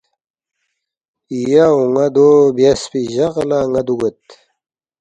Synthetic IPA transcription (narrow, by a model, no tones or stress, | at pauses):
ijauŋad̪objaspiʑaʁɐlaŋad̪uɡet̪